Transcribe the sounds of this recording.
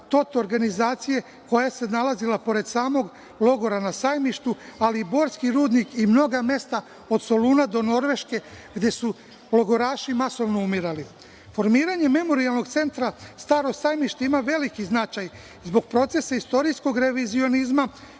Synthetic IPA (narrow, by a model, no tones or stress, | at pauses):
t̪o̞t̪oɾɡanizaːt̪sije̞ | ko̞jase̞nalazilapo̞ɾe̞d̪saːmo̞ɡ | lˠo̞ɡo̞ɾanasaːjmiʃt̪ualiːbo̞ːɾskiɾuːd̪nikimno̞ɡame̞st̪a | o̞d̪so̞luːnad̪o̞no̞ɾʋe̞ʃke̞ɡd̪e̞su | lo̞ɡo̞ɾaːʃimaso̞ʋno̞umiɾali | fo̞ɾmiːɾaɲe̞me̞mo̞ɾialˠno̞ɡt̪se̞nt̪ɾast̪aːɾo̞saːjmiʃt̪eimaʋe̞likiznat͡ʃaj | zbo̞ɡ̚pɾo̞t̪se̞saist̪o̞ɾijsko̞ɡɾe̞ʋizio̞nizma